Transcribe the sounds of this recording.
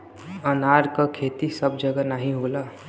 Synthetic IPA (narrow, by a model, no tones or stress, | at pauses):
ənaɾkəkʰet̪isəbd͡ʒəɡənaːɦĩɦola